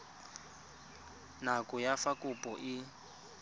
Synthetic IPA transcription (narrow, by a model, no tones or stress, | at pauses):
nakʼʊjafakʼʊpʼɔʔɪ